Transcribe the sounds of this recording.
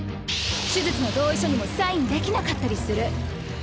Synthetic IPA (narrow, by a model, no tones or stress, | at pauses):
ɕɨzɨt͡sɨno̞d̪o̞ːiɕo̞ɲ̟imo̞saĩnd̪e̞kʲinakat̪ːaɾʲisɨɾɯ̟